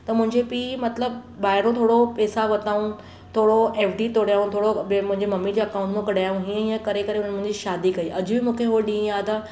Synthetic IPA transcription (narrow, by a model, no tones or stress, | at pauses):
t̪ɐmʊ̃ɦɪ̃ɲd͡ʑepiːmɐt̪ləb̚ | baːɪɾõt̪ʰoːɽopeːsaʋɐt̪aːũn | t̪ʰoːɽoeːfɖit̪oːɽjaːũnt̪ʰoːɽobmʊ̃ɦɪ̃ɲd͡ʑemɐmːid͡ʑeɐkaːʊ̃ɳʈmẽkɐɽaːjũɦiːə̃ĩːə̃kɐɾekɐɾeʊn̤ənmʊ̃ɪ̃ɲd͡ʑiʃaːd̪ikɐiʔɐd͡ʑʊbɪmũːkʰeɦoɗĩjaːt̪ɐ